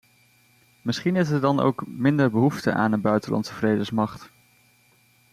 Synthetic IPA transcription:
mɪsχinɪs̬ədɑno̰wkmɪndəɹbəɦuftə̰ʔa̰ːnəbœɥtəlʔɑ̰nsəvrejdəsmɑχt

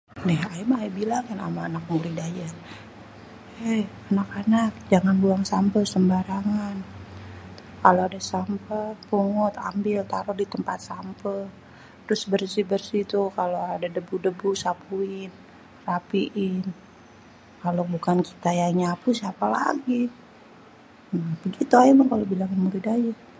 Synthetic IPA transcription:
nɛhaimaibilaŋkana̰maːnak̚muɾidajar | ɛhanakanak̚d͡ʒaŋanbuaŋsampəsəmbaɾaŋan | kaloadasampəpuŋʊt̪a̰mbɪlt̪aɾʊrdit̪əmpat̪̚sampə | t̪ɾʊsbərsibərsit̪ukaloadadəbudəbusapuɪn | rapiʔɪn | kalobukanki̥t̪ajaɲapusiapala̰ɡi | bəɡit̪uajamaŋkalobilaŋamuɾidaja

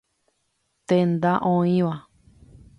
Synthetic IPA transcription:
t̪end̪ãʔõĩβa

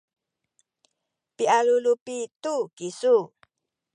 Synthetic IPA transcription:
piʔalulupit̪uɡ̥isu

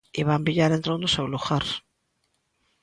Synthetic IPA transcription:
iβambiʎaɾẽnt̪ɾond̪ʊsewluɣaɾ

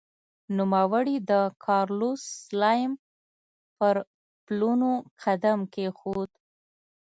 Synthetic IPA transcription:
numawəɽid̪əkʰɑɾluslɑjm | pəɾ | plunoqʰad̪amkexod̪

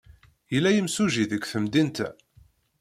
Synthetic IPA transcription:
jəlːæjəmsuʒiðəɡʷθəmd̪int̪æ

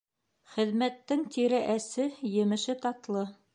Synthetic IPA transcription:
χɘ̆ðmæt̪ːɘŋt̪iɾɘʔæsɘjɘ̆mɘ̆ʃɘt̪ɑt̪lˠɤ

